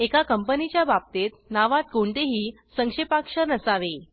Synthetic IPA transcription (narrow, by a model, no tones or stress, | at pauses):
ekakəmpənit͡ɕjabab̚t̪et̪̚naʋat̪̚ɡoɳʈ̪eɦiː | səŋkʂepakʂəɾnəsaʋe